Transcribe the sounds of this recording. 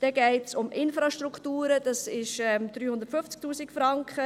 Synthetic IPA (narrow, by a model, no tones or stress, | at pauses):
d̥ɛɡɛɪtsʊmʔɪnfɾɑʃtruktuːɾəd̥ɑsɪʃɛmd̥̪ɾyːhʊndətfʏft͡sk̚tuːsɪkfɾɑŋkχə